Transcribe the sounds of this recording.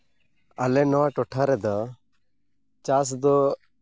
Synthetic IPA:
alɛnɔwaʈɔʈʰaɾɛd̪a | t͡ʃas̬d̪ɔ

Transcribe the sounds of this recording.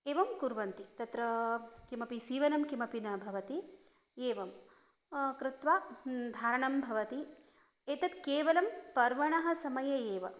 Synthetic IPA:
eːʋɐmkuɾʋɐnt̪it̪ɐt̪ɾɐkimɐpisiːʋɐnɐmkimɐpinɐbʱɐʋɐt̪i | eːʋɐm | kɾɪt̪ʋaːd̪ʱaːɾɐɳɐmbʱɐʋɐt̪i | eːt̪ɐt̪keːʋɐlɐmpɐɾʋɐɳɐɦɐ̆sɐmɐjɐeːʋɐ̰

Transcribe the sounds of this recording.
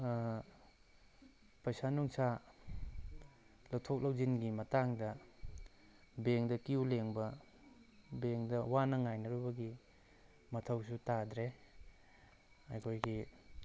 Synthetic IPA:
pɐjsanuŋsa | lɐwtʰok̚lɐwzinɡimɐtaŋdɐ | beŋdɐkiuleŋbɐ | beŋdɐwanɐŋajnɐɾubɐɡi | mɐtʰɐwsutadɾe | ɐjkʰojɡi

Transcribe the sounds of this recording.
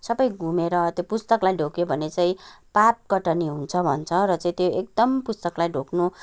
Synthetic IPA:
sʌbʌjɡʱumeɾʌt̪jopust̪ʌklajɖʱokjobʱʌnet͡saĩpap̚kʌʈʌniɦunt͡sʰʌbʱʌ̰nt͡sʰʌɾʌt͡saĩt̪joek̚d̪ʌmpust̪ʌklajɖʱoknu

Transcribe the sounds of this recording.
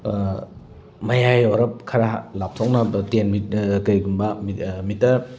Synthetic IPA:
mɐjajoɾɐp̚kʰɐɾalap̚tʰok̚nɐtenmitkɐjɡumbɐmimitːɐ

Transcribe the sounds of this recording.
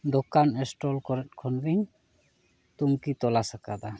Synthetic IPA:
d̪ɔkanɛsʈɔlkɔɾɛt̚kʰɔnɾiŋ | t̪uŋkit̪ɔlasakad̪a

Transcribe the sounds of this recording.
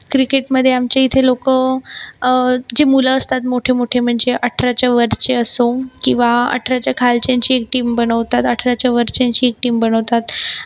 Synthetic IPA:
kɾikeʈməd̪ʱːjeamt͡ɕeit̪ʰelokə | d͡ʑemuləəst̪at̪moʈʰemoʈʰem̤əɳd͡zeʔəʈʰɾat͡ɕjaʋəɾt͡ɕeəsokĩw̃ʋaə̰ʈʰɾat͡ɕjakʰalt͡ɕjaɲt͡ɕiːek̚ʈiːmbəɽəʋt̪at̪əʈʰɾat͡ɕjaʋəɾt͡ɕjãɲt͡ɕiːek̚ʈiːmbəɽ̃əʋt̪at̪

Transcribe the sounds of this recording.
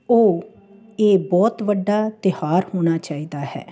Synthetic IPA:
oː | eːbɔːt̪ʋəɖːaːt̪ɪhaːɾhoːñaːt͡ʃaːiːd̪aːhɛ̰ː

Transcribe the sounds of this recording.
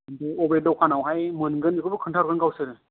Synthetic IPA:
dɯɔbɾedɔwkʰanawɦajmɯnɡɯnɯkʰɯbɯkʰɯntʰaɾkʰɡɯnɡawsɯɾɯ

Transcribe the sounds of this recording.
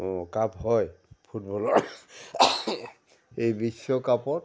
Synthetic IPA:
ɔ̃kaphɔjpʰutbɔlɔɹ | ejbisɔkapɔt

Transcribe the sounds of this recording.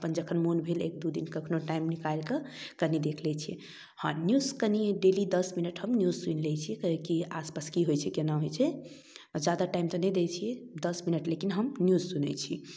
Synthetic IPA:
əpənd͡ʒəkʰənmonbʱelek̚d̪ud̪inkəkʰnoʈaimnikalkəkənid̪ekʰlɛt͡ʃʰiɛ̰ | hã̰njuzkəniɖelid̪əsminəʈɦəmnjuzsunlɛt͡ʃʰiɛkəɦəkiaspaskiɦojt͡ʃʰɛkenaɦojt͡ʃʰɛ | d͡ʒad̪aʈaimt̪ənɛjd̪et͡ʃʰijɛd̪əsminəʈlekinɦəmnjuzsunɛ̰t͡ʃʰi

